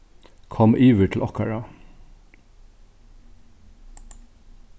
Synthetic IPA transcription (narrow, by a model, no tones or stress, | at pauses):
kʰɔmʔiːʋəʈʰl̩ʔɑkʰɑɹɑ